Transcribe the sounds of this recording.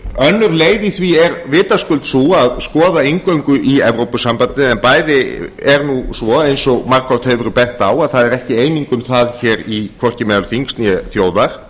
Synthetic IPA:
œnːʏɾleːjðiθviɛɾvɪːt̪askʏlt̪suaðskɔːðaeŋkœɥŋkʏʔiɛvɾowpʏsampant̪ɪɛnpaːjðɪɛɾnusvɔejnsɔɣmarkɔwt̪heːvɾʏpɛn̥t̪aːwaðθaðɛɾɛhcɪeːjniŋkʏmθaðçɛːɾikʰvɔr̥cɪmɛːðalʏθiŋkst̪njɛθjoːwðaɾ̥

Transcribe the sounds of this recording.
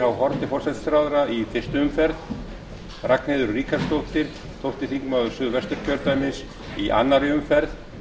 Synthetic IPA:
hawhɔɾt̪ɪfɔr̥sɛt̪sɾawðɾaifɪr̥st̪ʏʏmfɛɾð | raknhɪðʏɾrːiːkast̪owht̪ɪɾ̥ | θʰowht̪ɪθiŋkmaðʏsʏðvɛst̪ʏɾ̥cʰœɾt̪ajmɪs | iʔa̰nːaɾɪʏmfɛɾð

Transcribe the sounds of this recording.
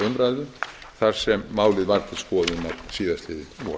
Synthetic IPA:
ʏmɾajðʏ | θar̥sɛmːaːwlɪðvaɾt̪ɪskɔːðʏnawsiːðast̪lɪðɪvɔ̰

